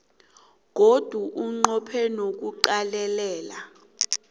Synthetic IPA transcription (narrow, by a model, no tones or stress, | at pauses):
k̬od̥ʱuʔuŋ͡ǃɔpʰɛnok̬uǃalɛlɛːla